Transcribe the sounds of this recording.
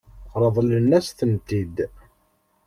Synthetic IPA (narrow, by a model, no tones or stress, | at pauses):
qɾˤəðˤlənːæsθənt̪id̪